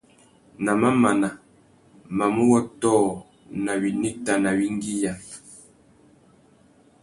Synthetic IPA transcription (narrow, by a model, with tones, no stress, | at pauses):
na˨ma˦ma˨na˨ | ma˨mu˦wɔ˦tɔ˦˨ | na˨βi˨ni˦ta˨na˨βi˦ŋɡi˦ja˨